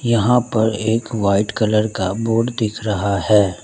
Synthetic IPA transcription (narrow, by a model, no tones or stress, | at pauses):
jɐɦãpɐɾeːkʋaːɪʈkɐləɾkaboːɖd̪ɪkʰɾɐɦahɛː